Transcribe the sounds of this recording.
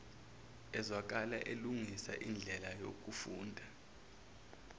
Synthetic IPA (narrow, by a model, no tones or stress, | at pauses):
ɛzwak̬alaʔeluŋisa̰ʔind͡ɮʱɛlajok̬ʼufuːndʱa